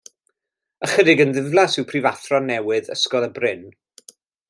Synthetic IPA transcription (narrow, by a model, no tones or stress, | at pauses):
əχədɪɡənðɪvlˠasɪwpʰrivaθrɔnɛwɨðə̰skɔlˠəbrɪn